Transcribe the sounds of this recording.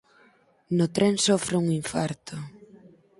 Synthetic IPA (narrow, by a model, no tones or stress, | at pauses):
nʊt̪ɾensɔfɾɪuŋiɱfaɾt̪ʊ